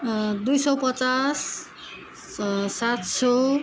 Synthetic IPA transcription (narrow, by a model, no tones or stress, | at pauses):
d̪ujsʌwpʌt͡sas | sat̪sʌ